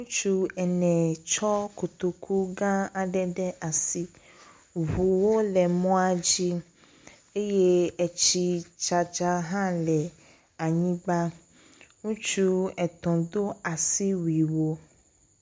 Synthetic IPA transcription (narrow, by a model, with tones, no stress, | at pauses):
ŋũ˦t͡ʃu˦ɛ˨nɛ̃˨t͡ʃɔ˦ko˨t̪o˨kʰu˦ɡã˦a˨ɖɛ˦ɖɛ˦ʔa˨si˦ | vu˨wo˦lɛ˨mɔ̃˦a˦d͡ʒi˦ | e˦je˦ɛ˨t͡ʃi˦t͡ʃa˨d͡ʒa˦ɦã˦lɛ˨ | a˨ɲĩ˦ɡ͡ba˦ | ŋũ˦t͡ʃu˦ɛ˨t̪ɔ̃˨d̪o˦a˨si˦wi˨wo˦